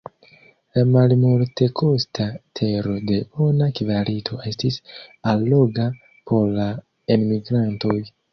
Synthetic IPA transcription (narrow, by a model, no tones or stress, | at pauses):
lamalmolte̞kʰo̞stʰatʰe̞ɾo̞de̞onakvalitʰo̞e̞stisalːo̞ɡa | pʰo̞ɾla | enmiɡɾanto̞j